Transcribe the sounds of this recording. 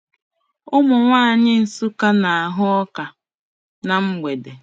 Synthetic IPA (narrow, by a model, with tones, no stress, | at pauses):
ʊ˦mʊ˨ŋʷaː˦a˨ɲɪ˦n̩˨su˦ka˦na˨a˨ɦʊ˦ɔ˦ka˨ | na˨ŋ͡m̩˦ɡ͡be˨de˨